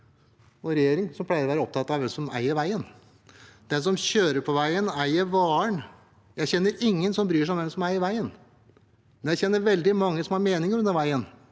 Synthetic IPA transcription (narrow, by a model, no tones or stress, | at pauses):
ɔɾɛjeːɾɪŋsɔmpʰlæɪɾɔʋæːɾəɔp̚t̪ʰɑt̪ːɑʋɛmsɔmæ̰ɪəɾʋæɪən | d̪ɛns̬ɔmɕøːɾəɾpʰɔʋæɪənæɪəɾʋɑːəɳ | jæɪçɛnːəɾɪŋːənsɔmbɾyːʂæɔmd̪ɛnsɔmæɪəʋæɪən | mɛnjæɪçɛnːəɾʋɛld̪ɪmɑŋːəsɔmhɑɾmeːnɪŋəɾʉnd̪əɾʋæɪən